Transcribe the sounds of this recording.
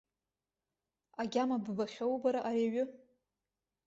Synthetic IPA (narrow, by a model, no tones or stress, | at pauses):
aɡʲamabbaχʲawbaɾaʔaɾiaɥʊ